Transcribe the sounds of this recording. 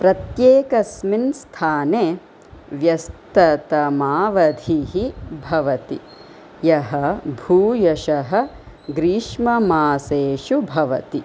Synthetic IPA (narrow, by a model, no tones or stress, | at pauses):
pɾɐt̪jeːkɐsminst̪ʰaːneː | ʋjɐst̪ɐt̪ɐmaːʋɐd̪ʱiɦibʱɐʋɐt̪ḭ | jɐɦɐbʱuːjɐʃɐɦɐ̆ | ɡɾiːʂmɐmaːseːʂubʱɐʋɐt̪i